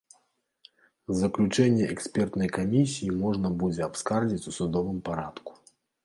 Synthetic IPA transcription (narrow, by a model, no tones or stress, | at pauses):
zɐklʲut͡ʂɛnʲːɛɛksʲpʲɛrt̪nɐjkamʲisʲijːimɔʐnɐbud͡zʲɛapskard͡zʲit͡sʲusud̪ɔvɨmpaɾat̪ku̥